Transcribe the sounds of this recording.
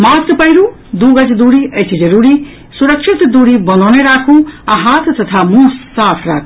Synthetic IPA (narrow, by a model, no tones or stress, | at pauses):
maspʌjɾu | d̪uɡʌd͡ʒd̪uɾiʔɐt͡ʃʰid͡ʒʌɾuɾi | suɾəkʃʰit̪d̪uɾibʌnaneɾakʰũaɦat̪t̪ʌt̪ʰamusːat̪ʰɾakʰũ